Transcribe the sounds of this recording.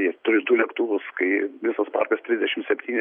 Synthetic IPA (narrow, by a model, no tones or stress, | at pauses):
ɪt̪ʊɾʲɪd̪ʊlʲɛkt̪uʋʊskɐɪʋʲɪsɐspɐ̰ɾkɐst̪ʲɾʲɪzʲd̪ʲɛʃʲɪmsʲɛpʲt̪ʲiːnʲɪ